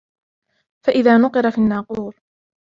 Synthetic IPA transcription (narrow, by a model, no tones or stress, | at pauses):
faʔɪðaːnʊqɨɾˤɑfinːaːquːl